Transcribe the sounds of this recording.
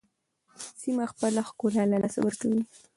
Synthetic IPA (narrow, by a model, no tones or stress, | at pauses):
simaxpəlaxkolalalasa̰wəɾkawi